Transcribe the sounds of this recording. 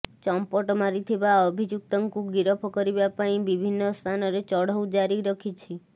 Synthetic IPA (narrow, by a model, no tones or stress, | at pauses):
t͡ʃɔmpɔʈɔmaɾit̪ʰibaɔbʱid͡ʒuk̚t̪ɔŋkuɡiɾɔpʰɔkɔɾibapaĩbibʱinːɔst̪ʰanɔɾet͡ʃɔɽ̤ɔwd͡ʒaɾiɾɔkʰit͡ʃʰi